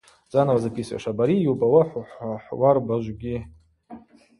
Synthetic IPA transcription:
t͡sʼanawazakʲʼisa̰ʂabaɾijubʼawaħʷħaħwarbaʒʷɡʲi

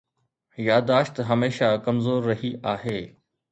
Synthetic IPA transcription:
jaːd̪aːʃt̪ɦɐmeːʃakɐmzoːɾːɐɦiʔaːɦeː

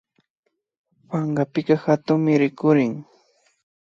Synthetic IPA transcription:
pɑɴɢɑpɪkɑxat̪ʊŋmɪɾɪkʊɾɪŋ

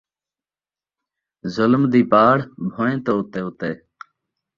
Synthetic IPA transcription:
zʊlmd̪iːpaːɽbʱoːẽːt̪oːʊt̪eːʊt̪eː

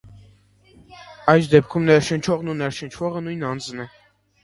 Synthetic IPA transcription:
ɑjsd̪ɛp̚kʰumnɛɾʃənt͡ʃʰɔʁnunɛɾʃənt͡ʃʰvɔʁənujnɑnd͡znɛ

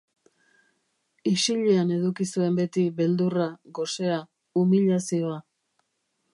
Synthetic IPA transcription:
iʃiʎeane̞ðukisue̞mbe̞t̪iβe̞ld̪uraɣo̞se̞a | umiʎasio̞a

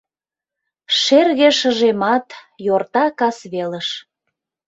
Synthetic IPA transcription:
ʃerɣeʃəʒemɑt̪ | jort̪ɑkɑsβeləʃ

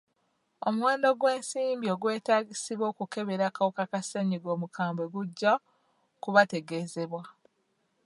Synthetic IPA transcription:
o̞muwe̞ːndo̞ɡwe̞ːnsiːmbio̞ɡwe̞ːtaːɡisiβwo̞ːkuke̞βe̞ɾakawokakaseɲiɡo̞ːmukʰaːmbwe̞ɡuɟːa | kuβate̞ɡe̞ːze̞βwa

